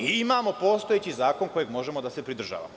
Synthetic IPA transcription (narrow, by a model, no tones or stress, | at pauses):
iimaːmo̞po̞ːst̪ojet͡ɕizaːko̞nko̞jeɡmo̞ʒe̞mo̞d̪ase̞pɾid̪r̩ʒa̰ːʋa̰mo